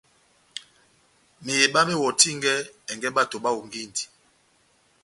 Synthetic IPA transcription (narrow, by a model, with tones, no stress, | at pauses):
me˨je˨ɓa˦me˦wɔ˨ti˦ŋɡɛ˦ɛ˨ŋɡɛ˦ɓa˦to˨ɓa˦wo˨ŋɡi˦ndi̥˨